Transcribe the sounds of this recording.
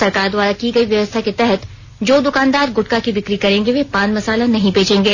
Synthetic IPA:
ɐɾkaːɾd̪waːɾakiɡɐiʋjɐʋəst̪ʰaket̪ɛɦɛt̪ | d͡ʒoːd̪ʊkãːnd̪aːɾɡʊʈkakibɪkɾikɐɾẽːŋɡeʋepãːnmɐsaːlanɐɦĩbeːd͡ʒẽːŋɡeː

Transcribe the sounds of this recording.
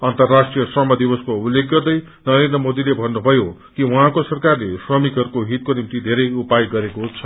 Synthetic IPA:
ʌnt̪ʌrːasʈrijʌsʌmʌd̪ibʌskoulːek̚ɡʌrd̪ʌj | nʌɾend̪rʌmod̪ilebʱʌnːubʱʌjokiwuɦãkosʌrkarlesrʌmikɦʌɾukoɦit̪̚konimt̪id̪ʱeɾʌjupajɡʌɾekoɦut͡sʰʌ

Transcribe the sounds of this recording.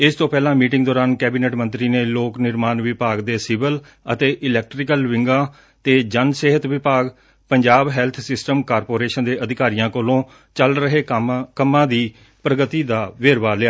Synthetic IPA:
ɪst̪õːpɛːlãːmiːʈɪ̃ŋɡd̪ɔːɾaːnkɛːbiːnɛːʈmə̃nt̪ɾiːneːloːknɪɾmaːnʋɪpaːɡd̪eːsɪbəl | ə̰t̪eːʔɪlɛːk̚ʈɾɪkəlʋɪ̃ŋɡãː | t̪eːd͡ʒənseːɦət̪ʋɪpaːɡ | pəɲd͡ʒaːbɦɛːlt̪ʰsɪsʈəmkaːɾpoːɾeːʃənd̪eːʔəd̪ɪkaːɾijãːkoːlõː | t͡ʃəlɾəɦeːkəmːãːd̪iː | pɾəɡət̪iːd̪aːʋeːɾʋaːlɪjaː

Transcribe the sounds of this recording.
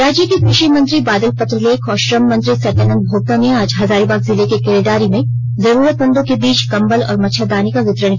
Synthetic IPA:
ɾaːd͡ʒjəkekɾɪʃimɐ̃nt̪ɾibaːd̪əlpɐt̪ɾəleːkʰɔːɾʃɾɐmːɐ̃nt̪ɾisɐt̪aːnə̃nd̪̚bʱoːɡ̚t̪amẽaːd͡ʒɦɐzaːɾibaːkzɪlekekeːleɖaːɾimẽ | zɐɾuːɾət̪̚bɐ̃nd̪õkebiːt͡ʃkɐ̃mbəlɔ̰ːɾmɐʃʰad̪aːnikaʋɪt̪ɾəɳ̃

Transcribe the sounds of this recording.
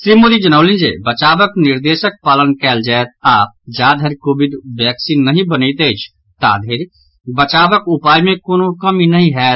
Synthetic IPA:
ʃɾiːmoːd̪id͡ʒənəʊlĩnd͡ʒḛːbət͡ʃaːʋəknɪɾd̪eːʃək̚paːlənkɛːld͡ʒaːet̪̚aːp̚d͡ʒaːd̪ʱəɾkoːbɪɖʋɛːksiːnːəɦĩbənəit̪eːt͡ʃʰ | t̪a̰ːd̪ʰʱeɾ | bət͡ʃaːʋəkʊpaːjmẽkoːnõkəminəɦĩɦɛː

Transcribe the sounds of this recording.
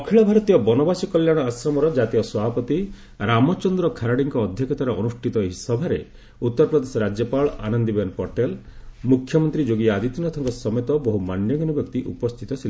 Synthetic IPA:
ɔkʰiɭɔbʱaɾɔt̪ijɔbɔnɔbasɔkɔljaɽ̃ɔasɾɔmɔɾɔd͡ʒat̪ijɔswɔbʱapɔt̪i | ɾamɔt͡ʃɔnd̪ɾɔkʰaɾaɽiŋkɔːd̪ʱjɔkʰɔt̪ʰaɾɔɔnuʃʈʰit̪ɔɦisɔbʱaɾe | ut̪ːɔɾpɾɔd̪esɔɾad͡ʒjɔpaɭɔa̰nɔnd̪ibenpɔʈelmukʰːjɔmɔnt̪ɾid͡ʒoɡiaad̪it̪inɔt̪ʰɔŋkɔsɔmet̪ɔbɔɦumanjɔɡɔnubjɔkt̪iʔṵpɔst̪ʰit̪ɔtʰil

